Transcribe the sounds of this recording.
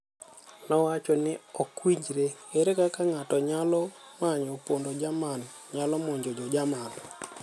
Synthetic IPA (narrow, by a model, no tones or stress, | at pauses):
nɔwat͡ʃɔnɪɔkwiɲd͡ʒɾeeɾekakaŋatɔɲalɔmaɲopondod͡ʒaman | ɲalɔmoɲd͡ʒod͡ʒɔd͡ʒaman